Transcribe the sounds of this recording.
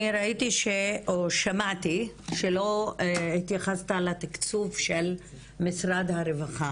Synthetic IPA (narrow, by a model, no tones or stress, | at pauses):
iɾait̪iʃeoʃamat̪iʃelo̞it̪jaχast̪alat̪ikt͡suvʃel | misʁad̪haɾevaχa